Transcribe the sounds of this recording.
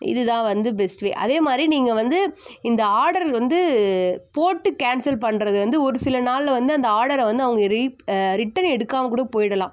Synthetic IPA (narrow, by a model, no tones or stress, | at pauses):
ɪ̰ðɯt̪ãːʋɐnd̪ɯbɛsʈʋḛːʔɐ̰ðeːmaːd̪ɾiniːŋɡɐʋɐnd̪ɯɪnd̪ɐaːɽɐɾlʋɐnd̪ɯpoːʈːɯkaːnsɐlp̬ɐɳːɾɐðɯʋɐnd̪ɯɔɾɯsɪlɐnaːlʋɐnd̪ɯɐnd̪ɐaːɽɐɾʋɐnd̪ɯɐʋɐŋɡɐɾɪɾɪʈːɐnɛɽɯkːaːmɐk̬uːɽɐɯpoːjɪɽɐlãː